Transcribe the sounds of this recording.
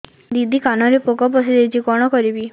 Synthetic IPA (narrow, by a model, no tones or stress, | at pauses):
d̪id̪ʱikanɔɾepokɔp̬ɔsiɾet͡ʃikɔɽ̃ɔkɔɾibi